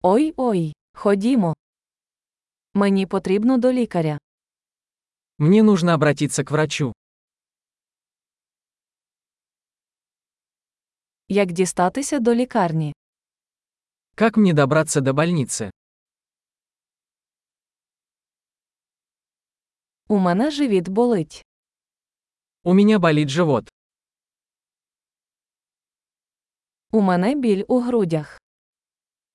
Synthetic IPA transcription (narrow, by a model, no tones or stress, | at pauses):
ɔjɔj | xɔdʲimɔ | menʲipɔt̪ɾʲibnɔd̪ɔlʲikɐɾʲɐ | mnʲɛnuʐnɐɐbɾɐtʲit̪sːəkvɾɐt͡ʃu | jɐkdʲist̪ɑt̪ɪsʲɐd̪ɔlʲikɑrnʲi | kakmnʲɛd̪abɾat̪sːɐd̪ɐbalʲnʲit̪sɨ | umɛnɛʐɪʋʲid̪bʊlˠɪtʲ | umʲɛnʲabalʲidʲʐɨvɔt̪ | umɛnɛbʲilʲuɦɾudʲɐx